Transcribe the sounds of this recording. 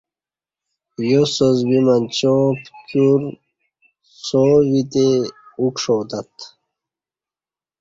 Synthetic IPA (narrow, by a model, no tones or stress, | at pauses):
josozbimant͡ɕõpt͡ɕuɾ | sowit̪eukʂoːd̪at̪